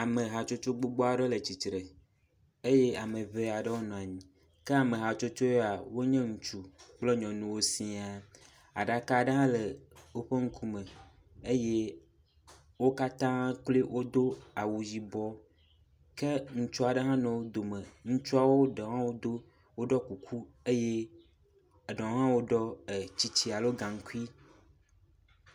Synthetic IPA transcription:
a˨mẽ˨ɦa˨t͡ʃo˦t͡ʃo˦ɡ͡bo˦ɡ͡bɔ˦a˨ɖe˦le˨t͡ɕi˨tɾe˨ | e˦je˦a˨mə̃˨βe˦˨a˨ɖə˦wo˦nɔ̃˨a˨ɲĩ˨ | ke˦a˨mẽ˨ɦa˨t͡ʃo˦t͡ʃo˦ja˨wo˦ɲɛ̃˦ŋũ˨t͡ʃu˦k͡ple˦ɲɔ̃˨nũ˦wo˦sĩ˦a˨ | a̰˨ɖa˨ka˦˨ɖə˦ɦã˦lə˨wo˦ɸe˦ŋ̩˦kʰu˦mɛ̃˨ | e˦je˦ | wo˦ka˦t̪ã˦k͡ple˦wʔo˦d̪o˦a˨wu˨d͡ʑi˨bɔ˦ | ke˦ŋũ˨t͡ʃu˦a˨ɖə˦ɦã˦nɔ̃˨wo˦d̪o˨mə̃˨ŋũ˦t͡ʃu˦a˦wo˦ɖe˨ɦã˦wo˦d̪o˦ | wo˦ɖɔ˦ku˨kʰu˦ | e˦je˦˨ | ɖɔ̃˨˦ɦã˦wo˦ɖɔ˦e˨t͡ɕi˦t͡ɕi˦a˨lo˦ɡã˨ŋ̩˦ku˦i˦

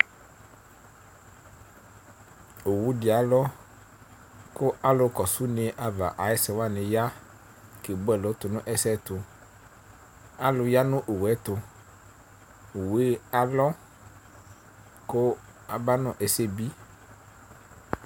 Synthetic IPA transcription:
o˨wu˦di˨a˨lɔ˦ | kʊ˦a˦lʊ˨kɔ˨su˦ne˨ʔa˨va̰˨ʔa˨ɛ˦sɛ˨wa˦nẽ˨ja˦ | ke˨bo˦ɛ˨lɔ˨˦t̪ʊ˨nʊ̃˦ʔɛ˨sɛ˦t̪ʊ˨ | a˦lʊ˨ja˦nʊ̃˦ʔo˨wɛ˦t̪ʊ˨ | we˦a˨lɔ˦ | kʊ˦ | a˨ba˦nɔ̃˨ʔe˨se˦bi˦

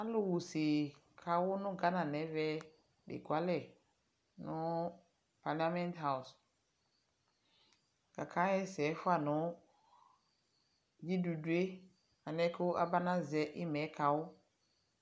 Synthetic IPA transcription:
a˦lʊ˦wu˨se˨ | kʰa˨wʊ˦nʊ̃˦ɡa˦nã˨nɛ̃˨˦vɛ˦ | dɪ̰˨ɡwa˨˦lɛ˨ | nʊ̃˦ | pa˨la˦mɛ̃˦ntɦa˦˨ʊ˨s | ka˨kʰã˨˦ɛ˦sɛ˨˦fʊ˦a˨nʊ̃˨˦ | ji˦du˨du˦e˦ | a˨nɛ̃˦kʰʊ˦ʔa̰˦ba˦nã˦zɛ˨ʔɪ˦mɛ̃˨˦kʰa˨wʊ˦

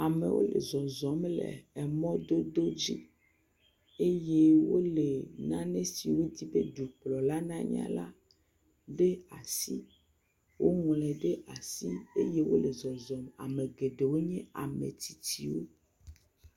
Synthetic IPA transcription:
a˨mḛ̃˨wo̰˦lḛ˨zɔ˨zɔ˨˦mlɛ̰˨ɛ˨mɔ̃˦d̪o˦d̪o˦d͡ʑi˦ | e˦jɛ˦wo˦le˨nã˦nɛ̃˦si˨wo˦d̪i˦be˦d̪u˨k͡plɔ˨la˦nã˦ɲ̰˦ã̰˦la̰˦ | ɖe˦a˨si˦ | wo˦ŋɔ̃˨lɛ̃˨ɖe˦a˨si˦e˦je˦wo˦le˨zɔ˨zɔ˨ma̰˨mẽ˨ɡe˨ɖe˨wo˦ɲɛ̃˦a˨mḛ̃˨t̪i˨ti˨wo˦

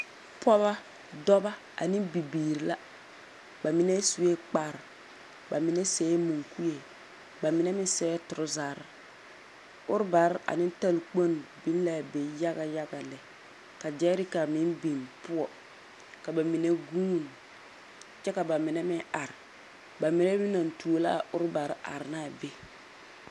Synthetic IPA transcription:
pɔ˦βa˦ | dɔ˦ba˦ | a̰˨nɪ̃˦bi˨biː˨ɾi˨la˦ | ba˨mɪ˦nɛ˦su˨je˦k͡pa˦˨ɾ | ba˨mɪ˨nɛ˦sɛː˨˦mu˨ŋku˦je˨ | ba˨mɪ˨nɛ˦mɪ̃˦n˦sɛː˦tʊ˨ɾʊ˦zaː˨ɾɪ˨ | ʊ˦ɾɪ˦ba˨ɾa̰˨nɪ̃˦n˦ta˦lk͡po˦n˨bi˦n˦la˨be˨ja˦ɡa˨ja˦ɡa˨lɛ˨ | ka˨d͡ʒɛ˦ɾɪ˦ka˨mɪ˦nbi˨npʊ˦ɔ˨ | ka˨ba˨mi˨ne˦ɡuː˦˨n˨ | t͡ʃɛ˦ka˨ba˨mɪ˨nɛ˦mɪ˦a˨ɾɪ˨ | ba˨mɪ˨nɛ˦mɪ˦na˨n˨tu˨o˨˦la˦˨ʊ˦ɾba˨ɾa̰˨ɾɪ˨na˦˨be˦

